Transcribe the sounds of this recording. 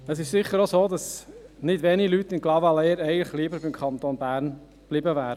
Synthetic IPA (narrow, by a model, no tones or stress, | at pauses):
əsɪʃsɪχːəɾosoːdɑsnɪdʋɛːnilytːɪnɡlɑvɑlɛəɾɛɪɡəntləχliːbəɾbɪmkʰχɑnt̪oːnbæːɾn | b̥lɪbəvæːɾə